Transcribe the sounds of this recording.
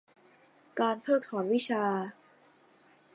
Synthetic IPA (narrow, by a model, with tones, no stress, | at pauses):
kaː˧npʰɤː˥˩k̚t̪ʰɔː˩˦nwi˦˥t͡ɕʰaː˧